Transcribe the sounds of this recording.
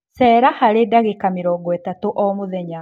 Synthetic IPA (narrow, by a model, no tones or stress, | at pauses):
sɛːɾahaɾedaɣekameɾɔːɡɔɛtatoʔɔmoðɛɲa